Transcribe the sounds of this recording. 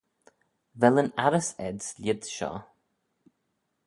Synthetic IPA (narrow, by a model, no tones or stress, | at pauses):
vɛlənaɾəsɛ̰dzlɪd̪ʃɔ̰